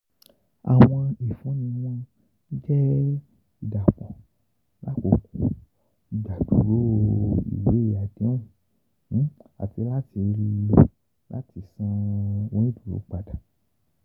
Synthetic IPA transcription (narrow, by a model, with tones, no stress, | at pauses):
a̰˨w̃ɔ̃˧i˨fũ˨˦nĩ˧w̃ɔ̃˦ | d͡ʒɛ˦ | i˨da˨k͡pɔ̃˨ | la˨˦ko˨kũ˦ | i˨da˨du˨ɾo˦ḭ˨we˨˦˨a˨dẽ˨˦ũ˨˦ | a̰˨ti˧la˦ti˧ɾi˧lo˧˦ | la̰˦ti˧˦sã˦wɔ̃˦ĩ˦du˨ɾo̰˨˦k͡pa˧da˨